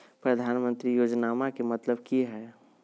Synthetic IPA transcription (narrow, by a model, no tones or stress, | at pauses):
pɾəd̪ʱaːnmə̃nt̪ɾijoːd͡ʒnamakemət̪ləbkiɦɛ